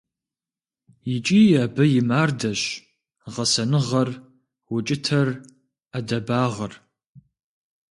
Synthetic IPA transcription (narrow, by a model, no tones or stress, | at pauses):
jɪt͡ʃʼiːaːbɐjɪmaːrdɐɕ | ʁɐsɐnɨʁɐr | wʊt͡ʃʼɪtʰɐr | adɐbaːʁɐr